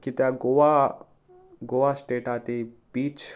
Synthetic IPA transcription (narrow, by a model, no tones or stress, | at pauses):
kit̪jaɡoʋa | ɡoːʋasʈeːʈaːt̪ibiːt͡ʃ